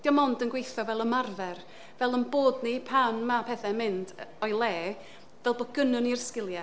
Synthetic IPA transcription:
d̥iɔmɔndənɡwejθɔvɛlˠəmarvɛr | vɛlˠənboːdnipʰanmapʰɛθɛmɪndɔjlˠeː | vɛlˠboɡənɨnirskɪlˠjɛ

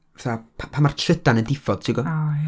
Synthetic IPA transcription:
θapʰapʰamar̥tʰrədanəndɪfɔd̥tʰiɡɔaj

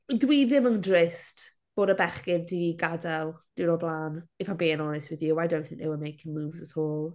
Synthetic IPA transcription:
dwiːðɪməŋdrɪst | b̥oːɾəbɛχkɪndiiɡadalˠd̥ɪnɔblˠaːnɪfanbiːɪ̃nɔnɪstwɪðjuajdõw̃nθɪ̃ŋk̚ðɛwəmejkʰɪ̃ŋmuːvzətʰoːlˠ

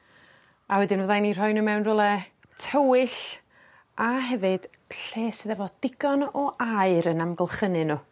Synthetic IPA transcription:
awɛdɪnvəðanir̥ɔjnumɛwnrʊlˠɛ | tʰəwɨɬ | aɦɛvɨd̥ | ɬeːsɨðɛvɔd̥ɪɡɔnɔʔaɨɾənamɡəlˠχənɨnu

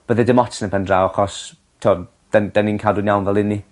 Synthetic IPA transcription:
b̥əðɛdɪmɔtsnɛpʰɛndrawaχɔs | tʰoɔ | d̥ɛnd̥ɛninkʰaːlˠdwɪnjawnvɛlˠɪni

